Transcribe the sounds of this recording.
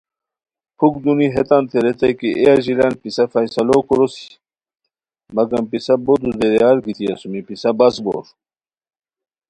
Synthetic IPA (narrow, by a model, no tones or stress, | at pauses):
pʰuk̚d̪uniɦet̪ant̪ʰeɾet̪ɐjkiʔeaʑilanpisɐfɐjsɐlokoɾosi̥ | mɐɡɐmpisɐbot̪ud̪eɾjaɾɡit̪iɐsumipisɐbɐsbo̰ːɾ